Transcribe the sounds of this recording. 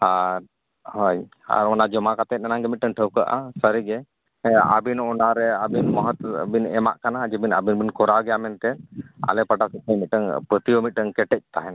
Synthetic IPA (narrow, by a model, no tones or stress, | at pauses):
aɾ | hɔj | a̰ɾɔnad͡ʒɔmakat̪ɛt̪̚ˀnanaŋɡɛmit̪̚ʈəŋʈʰəwkəʔa̰səɾiɡɛ | a̰binɔnaɾɛabinməɦət̪binɛma̰ʔkanad͡ʒəbina̰binbinkɔɾawɡɛjamɛnk̪ɛna̰lɛpəʈasit̪̚ɛmit̪̚ʈəŋpɾət̪iɔmit̪̚ˀʈəŋkɛʈɛc̚t̪aɦɛn